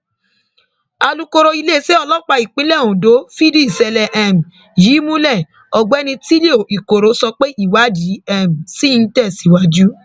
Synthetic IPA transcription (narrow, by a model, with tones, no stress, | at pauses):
a˧lu˦ko˧ɾo˧i˧le˦˨se˦ɔ˧lɔ˦k͡pa˧i˨k͡pĩ˨˦lɛ˦˨ũ˨do˨˦fi˦di˦˨sɛ˧lɛ˨ʔɛ˨m˨ | jiː˨˦mũ˦lɛ˦˨ | ɔ˨ɡ͡bɛ˨˦nĩ˧ti˦le˦o˨i˨ko˨ɾo˨˦sɔ˧k͡pe˦ʔi˦˨wa˨˦d͡ʒi˨˦ɛ˦˨m˨si˦˧n̩˦tɛ˦˨si˨˦wa˧d͡ʒu˦